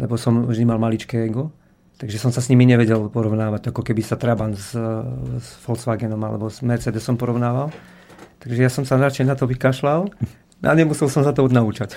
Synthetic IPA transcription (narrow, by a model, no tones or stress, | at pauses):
lɛbɔsɔmvʒd̪imalmalit͡ʃkɛɛɡɔ | t̪aɡʒɛsɔmsasɲimiɲɛʋɛɟɛlpɔɾɔʊnaːʋaɟakɔkɛbisat̪ɾabanz | sfɔlsʋaɡɛnɔma̰lɛ̰bɔz̥mɛɾt͡sɛd̪ɛsɔmpɔɾɔʋnaːʋal | t̪aɡʒɛjasɔmsanɾat͡ʃɛnat̪ɔʋikaʃlal | na̰ɲɛmusɛlsɔmsat̪ɔɔnaut͡ʃac